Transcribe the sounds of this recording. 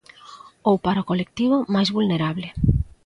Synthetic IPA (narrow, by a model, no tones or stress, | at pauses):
owpaɾaokolek̚t̪iβ̞omajzβulneɾaβlɪ